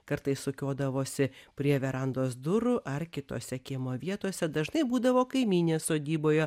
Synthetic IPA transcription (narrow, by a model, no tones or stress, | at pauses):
kɐɾt̪ɐɪssʊkʲoːd̪ɐʋoːsʲɪpʲɾʲiɛʋʲɛɾɐnd̪oːsd̪ʊɾʊʔɐrkʲɪt̪o̰ːsʲɛkʲimoːʋʲiɛt̪oːsʲɛd̪ɐʒnɐɪbuːd̪ɐʋoːkɐɪmʲiːnʲeːssoːd̪ʲiːboːjɛ